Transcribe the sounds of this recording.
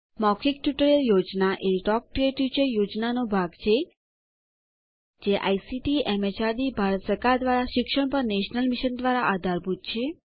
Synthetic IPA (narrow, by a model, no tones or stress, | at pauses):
mɔkʰikʈjuʈəɾeljod͡ʒnaʔeʈɔk̚ʈɾieʈut͡ʃəjod͡ʒnanobʱaɡt͡ʃʰe | d͡ʒeʔa̰jsiʈiɛmet͡ʃaɾd̪ibʱaɾət̪səɾkaɾd̪ʋaɾaʃɪkʃəɳpəɾneʃnəlmiʃənd̪ʋaɾaʔad̪ʱaɾbʱut̪̚t͡ʃʰe